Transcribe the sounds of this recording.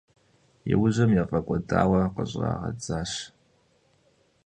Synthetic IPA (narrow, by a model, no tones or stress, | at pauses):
jɪwʊʑɐmjɛfʼɐkʷʼɔdaːwɐqəɕʼaːʁɐ̰d͡zaːɕ